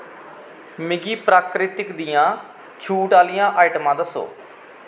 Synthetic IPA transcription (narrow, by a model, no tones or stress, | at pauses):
mɪɡiːpɾaːkɾɪt̪ɪkd̪ɪjãː | t͡ʃʰuːʈaːlɪjãːʔaːiʈəmãːd̪əso̰ː